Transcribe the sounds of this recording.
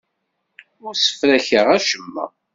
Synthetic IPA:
ʊɾsə̥fɾæçəʁæʃəmːə̰

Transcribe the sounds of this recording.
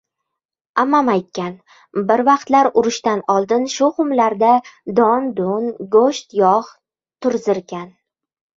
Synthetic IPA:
amamajt̪̚kʲan | bɪɾvɑqt̪laɾʊɾʊʃt̪anɒlˠd̪ɪnʃʊhʊmlaɾd̪ad̪ɒnd̪ʊnɡoʃt̪jɒχ | t̪ʰʊɾzɪɾɡʲan

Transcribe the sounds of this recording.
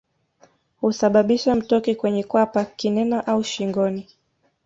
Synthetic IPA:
husaɓaɓiʃam̩tɔkɛkwɛɲɛkwapakinɛnaʔauʃiŋɡɔni

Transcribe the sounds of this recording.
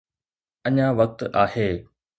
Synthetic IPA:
ɐɲãʋɐk̚t̪aːheː

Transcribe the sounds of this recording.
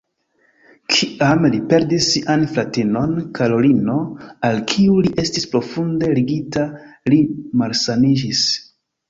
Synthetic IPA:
kʰiʔamlipe̞ɾdisːiʔanfɾatino̞nkʰaɾo̞lino̞alkʰiuliʔe̞stispɾo̞funde̞liɡitalimalsanid͡ʒis

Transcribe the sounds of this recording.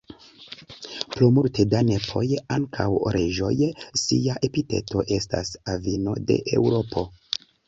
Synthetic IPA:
plumultedane̞pʰo̞̰jaŋkʰawɾʔed͡ʒo̞̰jsiaʔe̞pite̞̰to̞ʔe̞sta̰savino̞̰de̞̰ʔe̞̰wɾo̞pʰo̞

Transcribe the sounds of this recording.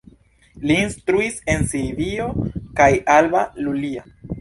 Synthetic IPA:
liːnstɾuise̞nsivio̞kajalbalulia

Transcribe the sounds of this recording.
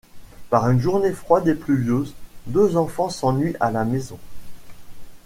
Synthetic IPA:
paʁynʒuʁnefχwad̪eplyvjøzd̪øzɑ̃fɑ̃sɑ̃nɥiʔalamezɔ̃

